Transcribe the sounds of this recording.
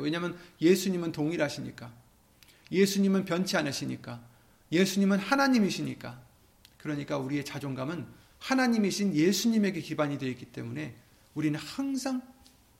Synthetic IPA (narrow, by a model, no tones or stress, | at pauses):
we̞ɲamjʌnje̞sʰuɲimɯntoŋiɾɦaɕʰiɲḭk͈a | je̞sʰuɲimɯnpjʌnt͡ɕʰianɯɕʰiɲḭk͈a | je̞sʰuɲimɯnhanaɲimiɕʰiɲik͈a | kɯɾʌɲik͈auɾie̞t͡ɕad͡ʑoŋɡamɯn | hanaɲimiɕʰinje̞sʰuɲime̞ɡe̞kibaɲidweik͈it͈e̞̰mune̞ | uɾinɯnhaŋsʰaŋ